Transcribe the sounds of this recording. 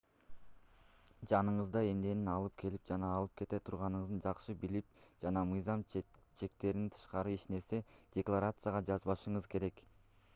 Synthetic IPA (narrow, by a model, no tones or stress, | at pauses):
d͡ʒɑnɯɴɯzd̪ɑe̞mne̞ninɑlˠɯp̚kʰe̞lip̚d͡ʒɑnɑːlˠɯp̚kʰe̞t̪e̞t̪ʰuɾʁɑnɯɴɯzd̪ɯnd͡ʒɑqʃɯbilip̚d͡ʒɑnɑmɯjzɑmt͡ʃʰe̞k̚t̪e̞ɾint̪ʰɯ̥ʃqɑɾɯiʃne̞ɾse̞d̥ʲeklˠaɾat̪sɨjaʁɑd͡ʒɑzβɑʃɯɴɯzkʰe̞ɾe̞k